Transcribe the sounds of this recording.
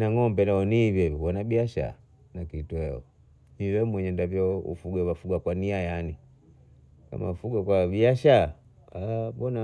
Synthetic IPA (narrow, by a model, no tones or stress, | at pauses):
naŋɔmbɛnaɔnivɛwɔnabiaʃa̰ | nakituɛɔ̰ | niwɛmwɛɲɛndavjɔṵfuɡwawafuɡwakwaniajani | ka̰ma̰ufuɡakwabiaʃa | abɔna